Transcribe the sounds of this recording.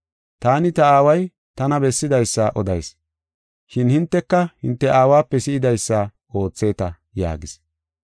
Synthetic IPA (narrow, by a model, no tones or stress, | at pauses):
t̪aːnɪt̪ɐaːwɐj | t̪ɐnɐbɛsːɪd̪ɐjsːɐʔɔd̪ɐjs | ʃɪnhɪnt̪ːɛkːɐhɪnt̪ːɛʔaːwaːpːɛsɪɪd̪ɐjsːɐ | o̞ːt͡sːe̞ːt̪ɐ | ja̰ːɡɪs